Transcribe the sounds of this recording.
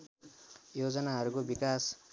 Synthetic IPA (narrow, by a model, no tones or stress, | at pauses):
jod͡zʌnaɦʌɾukobikas